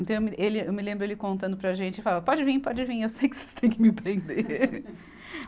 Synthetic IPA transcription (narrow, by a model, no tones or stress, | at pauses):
t̪ɐ̃w̃ewmɪʔelɪewmɪlẽmbɾʊelɪkõnt̪ɐ̃nd̪ʊpɾɐʒẽnt͡ʃɪfalɐpɔd͡ʒɪvĩpɔd͡ʒɪvĩewsejkɪ̥se̥st̪ʰẽj̃kɪmɪĩt̪ẽd̪e